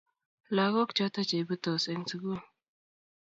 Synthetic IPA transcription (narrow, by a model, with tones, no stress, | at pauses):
la˨ɣo˦kt͡ʃɔ˦ta˦t͡ʃe˨bu˦to˨se˨n˦t͡si˨˦ɡu˦˨